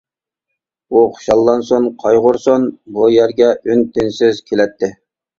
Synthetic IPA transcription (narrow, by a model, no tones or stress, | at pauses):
uχʰʊ̥ʃɑlˠːɑnsonqʰɑjʁʊɾsonbujæɾɡʲɛʔynt̪ʰɪnsɪzkʲʰelɛt̪ʰːɪ